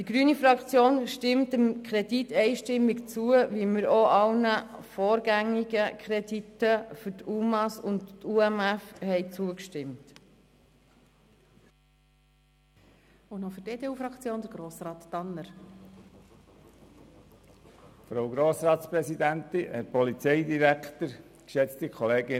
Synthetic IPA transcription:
d̥iɡɾyːnifɾɑkt͡sjoːnʃtɪmtəmkʰɾɛditːɛɪʃtɪmːikt͡suəʋiməɾoʔɑlnəfoːɾɡæŋːiɡəkʰɾɛditːəfʏɾtʰuːmɑsʊnttʰuɛmæfhɛɪt͡suəkʃtɪmt | ʊnofʏɾteːdeːuːfɾɑkt͡sjoːnd̪əɾɡ̥ɾoːsrɑːt̪ːɑnːəɾ | fɾowɡɾoːsɾɑːtspɾɛsid̪ænt̪iɛɾpɔlit͡sɛɪd̪iɾæktəɾ | kʃɛt͡st̪ikʰχɔleːɡɪ

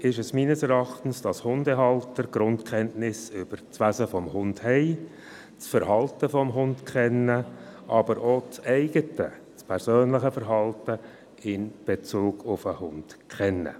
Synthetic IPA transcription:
ɪʃɛsmiːnəsɛɾɑχtən̩sd̥ɑshʊndɛɦɑltəɾɡ̥ɾʊntkχɛntnɪsʏb̥əɾt͡sʋæzəfɔmhʊndhɛɪ | t͡sfəɾhɑltəfɔmɦʊndkχɛnːəʔɑbəɾoːt͡sɛɪɡ̥ətə̰ | t͡spʰɛɾsøːnləχəfəɾɦɑltə | ɪnb̥et͡suːɡʊfəhʊnd̥kχɛnːə̰

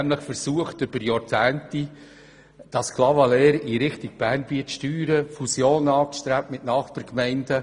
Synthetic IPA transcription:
næmləχfəɾsuəχtʏb̥əɾjɑt͡sæːnti | d̥ɑskʰlɑvɑlɛːɾiɾɪχtiɡ̥̚b̥æːrnbiətʃtyːɾəfusjoːnɑːsʃtɾæp̚tmɪtnɑːχbɑɾkmɛɪndə

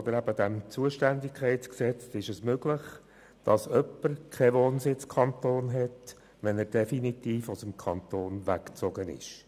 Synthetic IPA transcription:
ɔd̪əɾæbəd̪ɛmt͡suəʃtændɪkʰχɛɪtsksɛt͡sɪʃɛsmøɡlɪχ | d̥ɑsœpːəɾkʰɛʋoːnsɪt͡skʰɑnt̪oːnɦɛt | ʋɛnɛɾd̥ɛfinit̪iːfʊsəmkʰɑnt̪oːnʋækt͡sɔɡənɪ̰ʃ

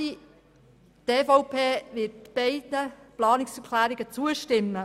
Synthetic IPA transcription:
i | teːfoʊpʰeːʋɪt̚b̥eɪdnəplɑːnɪksəkʰlæːɾɪɡət͡suəʃtɪmːə

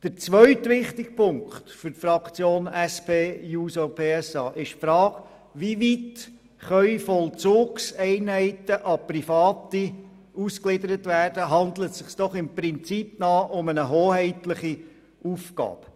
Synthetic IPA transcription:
d̥əɾt͡sʋœɥtʋɪχtɪkpʰʊŋktfʏɾtfɾɑkt͡sjoːnɛspʰeːjuːsopʰeːɛsɑːʔɪʃfɾɑːk | ʋiʋit | χœʏfɔlt͡soːksɛɪnɦɛɪtəʔɑprifɑːti | usklɪdəɾətʋæːrd̥əɦɑnd̪lətsɪχsd̥ɔχɪmpɾɪnt͡sipnɑːʔʊmənəɦoːhɛɪtləχi | ufɡɑ̰ːp

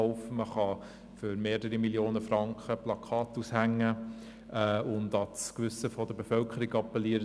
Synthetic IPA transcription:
ɔʊfəməχɑ | fʏɾmeːɾəɾimiljoːnəfrɑŋkχəplɑkʰɑːtushæŋːə | ɛːʊndɑskʋʏsəfɔd̥̪əɾbefœlkəɾiɡɑpːɛliːəɾ

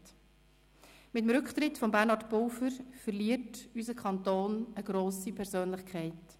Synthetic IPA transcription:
t | mɪtəmɾʏkχt̪ɾɪtfɔmbæːɾnɑɾtpowfəɾfəɾliətysəkʰɑntoːnəɡɾoːsipʰɛɾzøːnlɪχkʰɛɪt

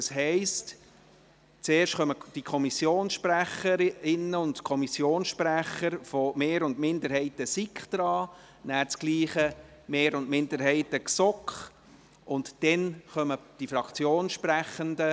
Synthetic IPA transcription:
ɑsɦɛɪst | t͡seːɾʃtχœməd̥ikʰɔmisjoːnsʃpræχəɾɪnəʊntkʰɔmisjoːnsʃpɾæχəɾfɔmeːɾʊndmɪndəɾhɛɪtəsikχd̪̥ɾɑː | næːɾt͡skliːχə | meːɾʊndmɪndəɾɦɛɪtəksɔkχ | ʔʊntd̥ɛnχœməd̥ifɾɑkt͡sjoːnʃpɾæχəndə

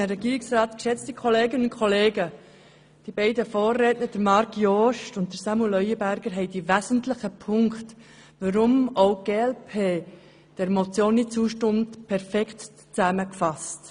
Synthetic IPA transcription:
əɾɛɡ̥iːɾɪksɾɑːt̪kʃɛt͡stikʰχɔleːɡənʊ̃nkʰɔleːɡə | d̥ibɛɪdəfɔːrːeːtnəd̥əɾmɑɾkjɔʃtʊnt̚d̥əsɑmulœʏəbæɾɡ̥əɾɦɛɪd̥iʋæzən̩tlɪχəpʰʊŋkχt | ʋəɾʊmoʊɡ̥eːɛlpʰeː | d̥ɛɾmɔt͡sjoːnːɪtt͡suːʃtʊmtpʰɛɾfɛkχt | t͡sæməkfɑst

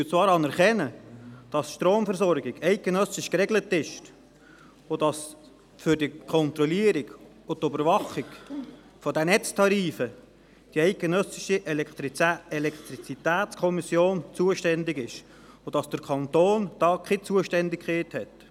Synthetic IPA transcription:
yt͡svɑːɾɑnɛɾχɛnəd̥ɑsʃtɾoːmfɛɾsɔɾɡɪɡɛɪt̚ɡ̥enœsɪʃkɾɛɡlətɪʃ | ʊd̥ɑs | fʏɾdikʰɔnt̪ɾɔliəɾɪɡ | ʊt̪ːøbəɾʋɑχɪɡ | fɔdɛnɛt͡stʰɑɾiːfə | d̥iɛɪt̚ɡ̥enœsɪʃiʔɛlɛkt̪ɾiɛlɛkt̪ɾit͡sit̪æːt̪t͡skʰɔmisjoːnt͡suəʃtɛndɪɡɪʃ | ʊd̥ɑsd̥əɾkʰɑnt̪oːnd̥ɑːkʰɪt͡suəʃtɛndɪkχeːthɛt

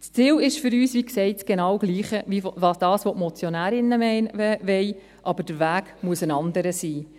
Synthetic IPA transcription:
t͡st͡siːwɪʃfʏɾyːsʋiksɛɪtt͡sɡ̥enɑwɡliːχəʋiʋɑːsd̥ɑːsʋɔʔmɔt͡sjonæːɾɪnəmʋɛj | ʔɑbəd̥əɾʋæːɡ̥muəsənɑnd̪əɾəsiː

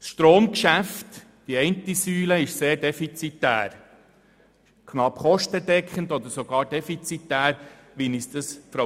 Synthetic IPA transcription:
sʃtɾoːmkʃæft | d̥iɛɪntisyːləɪʃseːɾdɛfit͡sit̪ːæ̰ːɾ | kʰχnɑpχɔʃtədɛkʰχəndɔd̪əɾsoɡ̥ɑːɾd̥ɛfit͡sit̪ːæːɾ | ʋinisd̥̪əsfɾɔ

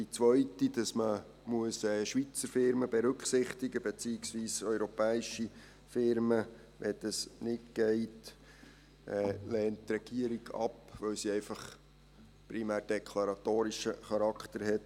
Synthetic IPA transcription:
dit͡sʋœʏtidɑsmə | muəsɛːʃʋit͡səɾfɪɾməbɛɾɵkχsɪχt̪ɪɡəbet͡siɪksʋiːsœʏɾopɛːiʃi | fɪɾmə | ʋʔɛd̥̪əsnɪtɡ̥ɛɪt | ɛːlɛːnttɾɛɡ̥iəɾiɡ̥ɑ̰pʋœwsiɛɪfɑχ | pɾimæːɾd̥ɛkʰlɑɾɑtoːɾiʃəχɑɾɑkt̪əɾɦɛt

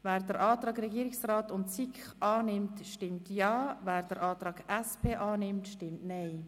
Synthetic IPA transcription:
væːɾd̥əɾʔɑːt̪ɾɑːɡɾɛɡiəɾɪksraːtʊntsikχʔɑːnɪmtʃtɪmtjɑːvæːɾd̥əɾʔɑːt̪ɾɑːɡɛspʰeːʔɑːnɪmtʃtɪmtnɛɪ

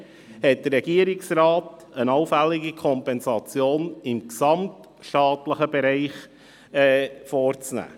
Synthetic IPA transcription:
hɛt̚dərɾɛɡ̥iəɾɪksrɑːt | ənɑʊfælːɪɡikʰɔmpɛnsɑt͡sjoːnɪmksɑmt | ʃtɑːtləχəbɛɾɛɪχ | ɛfɔːɾt͡snæ̰ː

